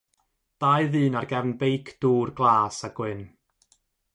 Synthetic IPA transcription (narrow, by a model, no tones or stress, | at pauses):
d̥ajðɨːnarɡɛvnbejkʰd̥uːrɡlˠaːsaɡ̥wɪn